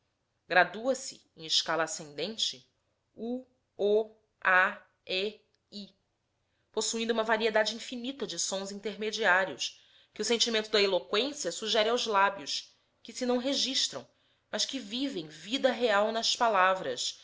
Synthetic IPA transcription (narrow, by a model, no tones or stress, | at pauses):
ɡɾad̪uɐsɪ | ẽj̃ɪʃkalɐasẽnd̪ẽnt͡ʃɪ | u | ɔ | a | ɛ | i | posuĩnd̪ʊuũmɐvaɾied̪ad͡ʒɪĩfinit̪ɐd͡ʒɪsõzĩnt̪eɾmed͡ʒiaɾiʊ̰s | kɪʊsẽnt͡ʃimẽnt̪ʊd̪ɐelokwẽsiɐsuʒɛɾɪawzlabjʊs | kɪsɪnɐ̃w̃ɦeʒiʃt̪ɾɐ̃w̃ | mɐʃkɪvivẽj̃vid̪ɐɦeawnɐspalavɾɐʃ